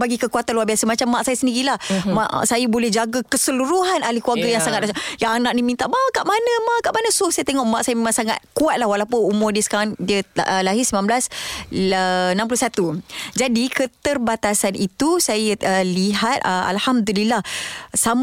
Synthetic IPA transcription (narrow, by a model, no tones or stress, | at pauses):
baɡikəkuat̪anlwarbiasəmat͡ʃamːaʔsajasəndiɣilahmaʔʔsajabolɛhd͡ʒaɡakəsəluɾuɦanalihkuarɡəjaŋsaŋat̪̚ʔajaŋanaʔ̚nimint̪aʔbakaʔmanə̃maʔkaʔmanəsʊsajat̪eŋɔʔmaʔsajamemãŋsaŋa̰t̪̚kuat̪̚lahwalawpʊnumʊrdiəsə̥kaɾaŋdiəəlaɦɪsəmamblas | ənãmpulusat̪ud͡ʒadikət̪ərbat̪asanit̪usajəəliɦat̪̚əʔa̰lhamd̪ulilahsam